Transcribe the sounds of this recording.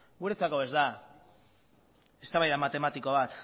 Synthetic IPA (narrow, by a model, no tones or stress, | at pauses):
ɡuɾe̞t͡sako̞e̞zd̪a | e̞st̪aβajðamat̪e̞mat̪iko̞β̞at̪